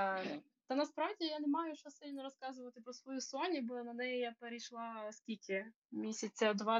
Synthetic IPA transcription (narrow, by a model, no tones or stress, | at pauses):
t̪ɐnɐspɾɑʋdʲijanemɑjʊʃt͡ʃɔsʲɪlʲnɔɾɔskɑzʊʋɐt̪ɪpɾɔsʋɔjusʊɔnʲibɔnɐnɛjɪjapeɾʲɪjʃlˠɑskʲilʲkʰʲɪ | mʲisʲɐt͡sʲɐd̪ʋɑ